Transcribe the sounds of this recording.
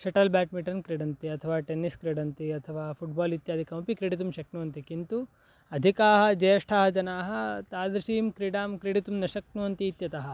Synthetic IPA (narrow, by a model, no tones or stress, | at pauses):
ʃɐʈɐlbaːʈmiʈɐnkɾeɖɐnt̪iɐt̪ʰɐʋaːʈenːiskɾeɖɐnt̪iɐt̪ʰɐʋaːpʰuʈ̚baːlit̪jaːd̪ikɐmpikɾeɽit̪̬umʃɐknuʋɐnt̪ikint̪u | ɐd̪ʱikaːɦɐ̆d͡ʒɐjɐʂʈʰaːɦɐd͡ʒɐnaːɦɐ̆t̪aːd̪ɾɐʃiːmkɾiɽaːmkɾeɽit̪umnɐʃɐk̚nuʋɐnt̪iːt̪jɐt̪ɐɦɐ̆